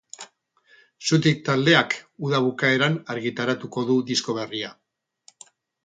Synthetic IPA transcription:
sut̪̬ik̚t̪ald̪e̞akuðaβ̞ukae̞ɾanaɾɣit̪aɾat̪uko̞ðuðisko̞β̞e̞ria

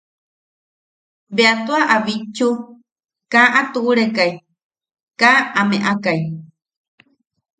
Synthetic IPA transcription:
beat̪uaʔaβit͡ʃu | kaʔat̪uʔːɾekai | kaameʔakai

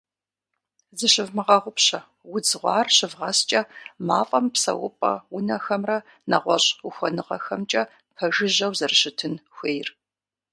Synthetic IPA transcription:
zɨɕɪvmɨʁɐʁʷʊpɕɐ | wʊd͡zɨʁʷɑːrɕɨvʁɐst͡ʃʼɐmaːfʼɐmpsɐ̰wʊ̰pʼɐ̰wʊnɐxɐmrɐ | nɐʁʷɔɕʼʊxʷɔnɨʁɐ̰xɐmt͡ʃʼɐ | pʰɐʒɪʑɐwzɐrɕɪtʰɨnxʷeːjr

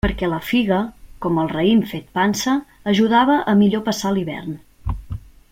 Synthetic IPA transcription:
pəɾkɛləfiɣəkɔməlˠrəimfet̪̚pansəː | ʒuð̞aβəʔəmiʎopəsaliβɛ̰rn

